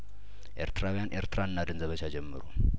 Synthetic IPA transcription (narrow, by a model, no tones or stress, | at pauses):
ʔe̞ɾt̪ʰɨɾawijanʔḛɾt̪ɨɾaɨnːad̪ənzəβət͡ʃːad͡ʒɛmːɨ̰ɾu